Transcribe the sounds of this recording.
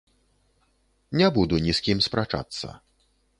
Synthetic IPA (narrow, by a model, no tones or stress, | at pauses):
nʲabud̪unʲiskʲimspɾat͡ʂa̰t̪sːə̰